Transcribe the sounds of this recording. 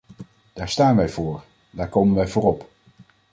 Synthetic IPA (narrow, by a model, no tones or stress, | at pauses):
d̥aːɹstaːnʋɛjvʊːɹ | daːɹkowmənʋɛjvʊːrɔp